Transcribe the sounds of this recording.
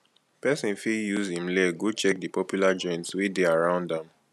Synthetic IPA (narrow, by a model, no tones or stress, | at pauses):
pɛsĩnfijuzhĩmlɛɡot͡ʃɛk̚dipɔpjulad͡ʒɔ̃ɪ̃ntswideaɹãʊ̃ndãm